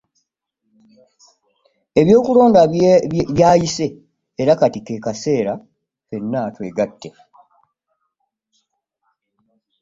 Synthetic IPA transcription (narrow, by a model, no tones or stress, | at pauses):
e̞βjo̞ːkulo̞ːndaβjaːjiseː | ɾakatikeːkase̞ːɾa | fe̞nːaːtwe̞ːɡatːe̞